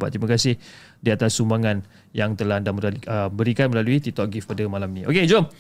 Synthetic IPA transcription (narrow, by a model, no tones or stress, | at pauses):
ba̰t̪ɾimãkasɪh | diat̪asːumbaŋan | jaŋt̪əlahandaməɾaiəbəɾikanməlaluit̪it̪ɔʔ̚ɡifpadəmalaminĩʔoked͡ʒom